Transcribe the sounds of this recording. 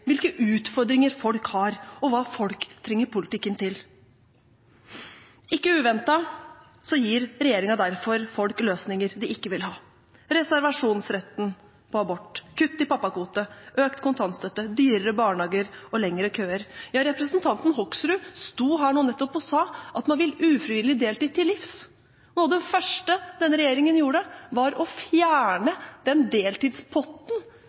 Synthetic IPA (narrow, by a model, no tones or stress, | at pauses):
ʋɪlkəʔʉːt̪fɔɾd̪ɾɪŋəɾfɔlkhɑɾɔʋɑːfɔlkt̪ʰɾɛŋːəɾpʰʊlɪt̪ɪkːənt̪ʰɪl | ɪkːəʉːʋɛnt̪ɑ | sɔjiːɾɾɛjeːɾɪŋɑd̪æɾfɔɾfɔlkløːsnɪŋəɾd̪ɪʔɪkːəʋɪlhɑː | ɾɛsæɾʋɑʂuːnsɾɛt̪n | pʰɔɑbɔʈːkʰʉt̪ːɪpɑpːɑkuːt̪əʔøːkt̪kʊnt̪ʰɑnst̪œt̪ːəd̪yːɾəɾəbɑːɳɑːɡəɾɔlɛŋəɾəkʰøːəɾjɑːɾɛpɾəsnt̪ʰɑnt̪n̩hɔksɾʉːst̪uːɦæːɳuːnɛt̪ːɔpɔsɑːʔɑt̪mɑnʋɪlʉːfɾɪʋɪlːɪd̪eːlt̪iːd̪̚t̪ːɪlːɪfs | nuːd̪ɛfœʂʈəd̪ɛnɾɛjeːɾɪŋənjuːɖəʋɑɾɔfjæːɳəd̪̥ɛnd̪eːlt̪iːd̪spʰɔt̪ːn̩